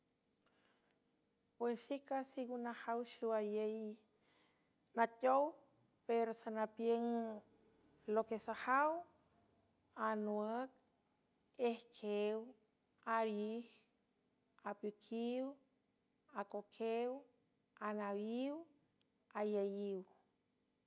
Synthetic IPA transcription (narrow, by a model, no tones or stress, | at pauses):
bwenʃikasiɡunahawʃuwajej | natʲow | peɾosanapjeŋ | lokesahaw | anwək̚ | ehkʰew | aɾjih | apjukʰiw | akokʰew | anawiw | ajajiw